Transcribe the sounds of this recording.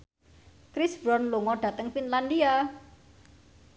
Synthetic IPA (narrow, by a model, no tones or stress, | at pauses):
kɾisbɾɔnluŋɔɖ̥ä̤t̪əŋfinland̪ia